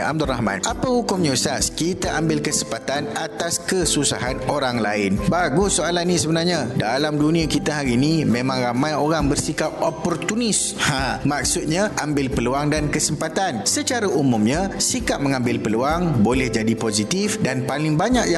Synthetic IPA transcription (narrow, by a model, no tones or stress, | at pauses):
a̰b̚d̪ɔlrahmã̰nʔapahukʊmɲosaskit̪aʔambɪlkəsəmpat̪anat̪askəsusa̰ɦanoɾaŋlaɪnbaɡʊsoalanːĩsəbənarɲãdalamdunĩakit̪aɦaɾiːnĩmẽmãŋɾamãjoɾaŋbərsikap̚opɔrt̪unɪs | hamak̚sʊt̪̚ɲãʔambɪlpəluaŋdankəsəmpat̪ansət͡ʃaɾaʔumʊmɲãsikap̚məŋãmbɪlpəluaŋbolɛhd͡ʒadipozit̪ifdanpalɪŋbaɲaʔja